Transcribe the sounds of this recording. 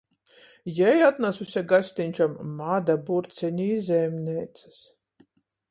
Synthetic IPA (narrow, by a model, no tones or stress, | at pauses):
jɛjat̪nasusʲaɡasʲt̪ʲinʲt͡ʃamːad̪abuɾt̪sɛnʲizʲɛmnʲɛːt̪sɨ̥s